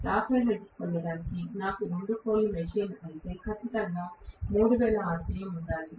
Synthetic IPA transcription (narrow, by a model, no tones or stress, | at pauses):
ɾaːpʰeːleʈt͡ʃu̥konːɐɽaːnikinaːkuɾo̞ɳɖukoːlːumeʃiːnɐjit̪e̞ːkʰɐt͡ʃːit̪ɐŋɡaːmuːɽuʋeːlɐaːɾsiːjɐmuɳɖaːli